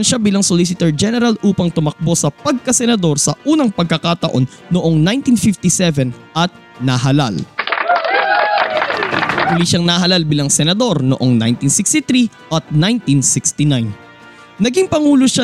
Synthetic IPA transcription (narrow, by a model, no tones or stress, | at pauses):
nʃabiːlɐŋsolis̬ɪt̪ɛɹd͡ʒɛnɛɾɐlʔuːpɐŋt̪ʊmɐk̚bo̞sɐpɐɡ̚kɐsɛnɐd̪o̞ɾsɐʔuːnɐŋpɐɡ̚kɐkat̪ɐʔo̞nːoʔo̞ŋnajnt̪infɪft̪isɛvɛnʔɐt̪̚ | nɐɦɐlal | ɐd̪ʊliʃɐŋnɐɦɐlalbiːlɐŋsɛnɐd̪o̞ɾnoʔo̞ŋna̰jnt̪insɪkst̪ɪt̪ɾi | ʔɐt̪̚najnt̪insɪkst̪ɪnajn | nɐɡiŋpɐŋuːloʃa